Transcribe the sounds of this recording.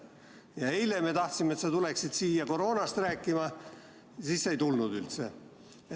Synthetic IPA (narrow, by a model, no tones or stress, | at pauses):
jɑeilemet̪ɑht̪simeet̪sɑt̪uleksid̪siːjɑko̞ɾo̞ːnɑst̪ræːkːˑimɑ | sisːejt̪ulnud̪ylt̪se